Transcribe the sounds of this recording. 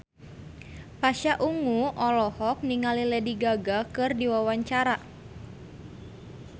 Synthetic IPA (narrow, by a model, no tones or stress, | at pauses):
paʃaʔuŋuʔɔlɔhɔk̚niŋalilɛdiɡaɡakɨrdiwawaɲt͡ʃaɾa